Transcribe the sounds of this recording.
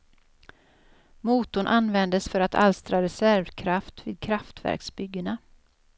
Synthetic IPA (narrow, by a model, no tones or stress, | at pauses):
muːt̪ʊɳʔanvɛnd̪əsfœɾat̪ʰa̰lst̪ɾaɾɛsæɾvkʰɾaft̪vḭːd̪̚kʰɾaft̪væ̰ɾksbʏɡːəɳa